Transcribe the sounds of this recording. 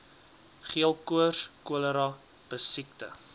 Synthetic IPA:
χiəlˠkuərskuələɾɑ | b̥əsik̚tə̰

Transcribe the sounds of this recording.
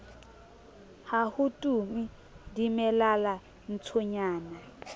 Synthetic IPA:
hahutʼumi | dimɛlala | n̩t͡sʰɔɲaːna

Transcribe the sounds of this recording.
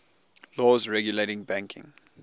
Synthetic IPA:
lɔːzɹɛɡjuleɪɾɪ̃ŋbæ̃ŋkʰɪ̰̃ŋ

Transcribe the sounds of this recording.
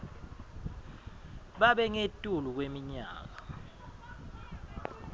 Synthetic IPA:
ɓaɓɛŋetʼuluk̬wemiɲa̰ːk̬a

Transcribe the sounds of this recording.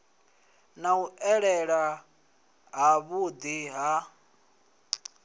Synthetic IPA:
nauʔɛɺɛɺa | ɦaβud̪iɦa

